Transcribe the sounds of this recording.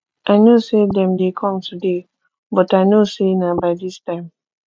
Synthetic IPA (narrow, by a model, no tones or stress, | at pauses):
ʔanosedɛ̃mdekʰɔ̃mtʰude | bɔtajnosenabajdistãɪ̃m